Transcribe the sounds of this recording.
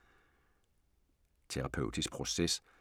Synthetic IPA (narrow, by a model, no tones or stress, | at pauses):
t͡sʰeʁɑ̈pʰøʊd̥isɡ̥̚pʰʁo̝ses